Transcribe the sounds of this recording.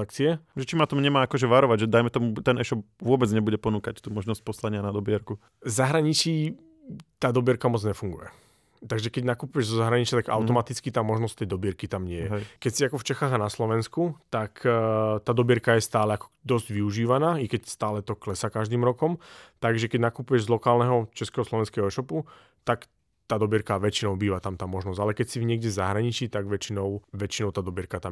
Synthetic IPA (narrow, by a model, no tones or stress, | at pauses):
akt͡siɛʒɛt͡ʃimat̪ɔmuɲɛmaːkɔʒɛʋaɾɔʋaɟʒɛd̪ajmɛt̪ɔmut̪ɛnɛʃɔp̚vʊɔbɛd͡zɲɛbuɟɛpɔnuːkact̪uːmɔʒnɔsc̚pɔslaɲɪanad̪ɔbɪɛɾku | zaɦɾaɲit͡ʃiː | t̪aːd̪ɔbɪɛɾkamɔd͡zɲɛfuŋɡujɛ̰ | t̪aɡʒɛkɛɟnakupujɛʒzɔzaɦɾaɲit͡ʃɪat̪aɡa̰ʊt̪ɔmat̪it͡skit̪aːmɔʒnɔst̪ɛjd̪ɔbɪɛɾkit̪amɲɪɛjɛkɛcsiakɔft͡ʃɛxaːɣanaslɔʋɛnskut̪akt̪aːd̪ɔbɪɛɾkajɛst̪aːlɛakɔ̥d̪ɔzɟʋiuʒiːʋanaːikɛcst̪aːlɛt̪ɔklɛsakaʒd̪iːmɾɔkɔmt̪aɡʒɛkɛɟnakupujɛʒzlˠɔkaːlnɛɦɔt͡ʃɛskɛɦɔslɔʋɛnskɛɦɔɛʃɔpu | t̪ak | t̪aːd̪ɔbɪɛɾkaʋɛt͡ʃinɔʊbiːʋat̪amt̪aːmɔʒnɔszalɛkɛcsivɲɪɛɡɟɛzaɦɾaɲit͡ʃiːt̪aɡʋɛt͡ʃinɔʊʋɛt͡ʃinɔʊt̪aːd̪ɔbɪɛɾkat̪am